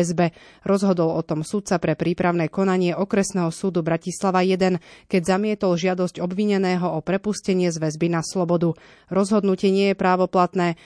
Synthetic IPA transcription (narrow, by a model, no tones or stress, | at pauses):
zbɛ | ɾɔzɦɔd̪ɔlɔt̪ɔmsut̪̚t͡sapɾɛpɾiːpɾaʊnɛkɔnaɲɪɛʔɔkɾɛsnɛːɦɔsuːd̪ubɾacislaʋajɛd̪ɛnkɛɟzamɪɛt̪ɔlʒɪad̪ɔsɟɔbʋiɲɛnɛːɦɔɔpɾɛpuscɛɲɪɛzʋɛzbinaslɔbɔd̪u | ɾɔzɦɔd̪nucɪɛɲɪɛjɛpɾaːʋɔplat̪nɛː